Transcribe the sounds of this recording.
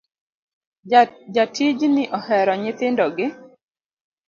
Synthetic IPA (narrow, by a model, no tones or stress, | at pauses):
d͡ʒatʰid͡ʒnɪʔɔhɛɾɔɲɪt̪ɪndɔɡɪ